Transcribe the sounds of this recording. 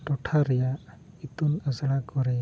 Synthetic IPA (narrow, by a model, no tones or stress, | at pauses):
ʈɔʈʰaɾɛja | it̪unəsaɭakɔɾɛ